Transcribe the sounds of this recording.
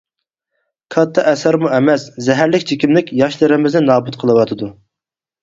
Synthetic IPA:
kʰɑt̪ʰːɑʔɛsæɾmuɛmɛszɛɦæɾlɪkʲt͡ʃʰikʲimlɪkʲjɑʃlˠɨɾɪmɪznɪnɑːbut̪qʰəlˠɨwɑt̪ʰɨd̪u

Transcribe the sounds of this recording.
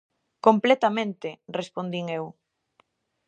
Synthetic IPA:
komplɛt̪amẽnt̪erespond̪iŋew

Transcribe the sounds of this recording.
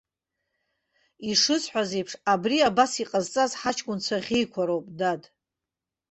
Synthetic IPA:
iʂɨsħʷᶣazejpʰʂabriabasiqʼazt͡sʼazħat͡ʃʰkʷʼʊnt͡sʷʰaʁʲijkʷʰaɾowpʼdad

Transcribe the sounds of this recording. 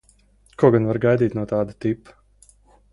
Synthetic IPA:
kuɔɡanvaɾɡajd̪iːt̪nuɔt̪aːd̪at̪ipu̥

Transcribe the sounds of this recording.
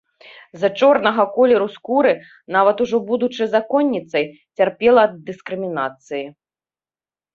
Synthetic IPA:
zɐt͡ʂɔrnɐɣɐkɔlʲɛɾuskuɾɨ | navɐt̪uʐɔbud̪ut͡ʂɨzakɔnʲːit̪sɐj | t͡sʲarpʲɛlˠɐːd̪ːɨskɾɨmʲinat̪sɨji

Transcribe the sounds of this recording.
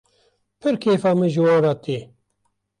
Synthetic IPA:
pʰɨɾkʰeːfɑːmɨʒɨwoːɾaːt̪eː

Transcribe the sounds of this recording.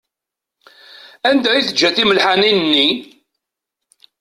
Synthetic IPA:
ænd̪æiθəd͡ʒːæθiməlħaninnːi

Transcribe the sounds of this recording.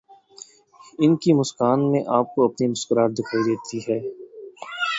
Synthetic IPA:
ɪnkimʊskaːnmẽʔaːp̚koɐpnimʊskəɾaːɾd̪ɪkʰaːid̪eːt̪iɦɛː

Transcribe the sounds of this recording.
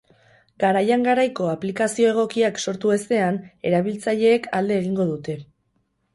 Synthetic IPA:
ɡaɾajaŋɡaɾajko̞aplikasio̞e̞ɣ̞o̞kiakso̞ɾt̪ue̞st̪e̞ane̞ɾaβ̞ilt͡saʎe̞ːkald̪e̞ːɣiŋɡo̞ðut̪e̞

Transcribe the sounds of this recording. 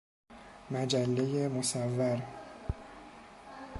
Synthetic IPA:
mæd͡ʒælːejemosævːæɾ

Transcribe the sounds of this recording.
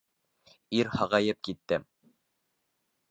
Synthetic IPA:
iɾhɑʁɑjɤp̚kit̪ːɘm

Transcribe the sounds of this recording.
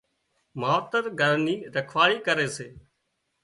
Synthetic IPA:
maːʋt̪əɾɡʱəɾniːɾəkʰʋaːɽiːkəɾeːseː

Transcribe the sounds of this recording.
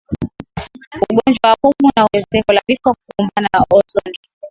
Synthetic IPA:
uɠɔnd͡ʒwawahumunauwɛzɛkɔlavifɔkukɔmbananaʔɔzɔndi

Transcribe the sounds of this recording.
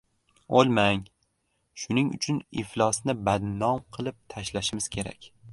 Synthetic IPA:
olˠmaŋ | ʃʊnɪŋʊ̰t͡ʃʰʊnɪflˠɒsnɪbad̪nɒmqʰɨlˠɪp̚t̪ʰaʃlaʃɪmɪz̥kʲʰe̞ɾa̰kʲ

